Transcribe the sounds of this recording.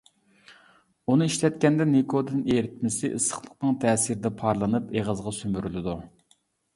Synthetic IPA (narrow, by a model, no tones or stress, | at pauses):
unɨiʃlɛt̪kʲɛnd̪ɛnekʰod̪ɨneɾɪt̪̚mɪsɪʔɨsə̥χlˠəq̚nɨŋt̪ʰɛːsiɾɪd̪ɛpʰɑɾlˠɨnɨpeʁəzʁɑsymbyɾylɪd̪u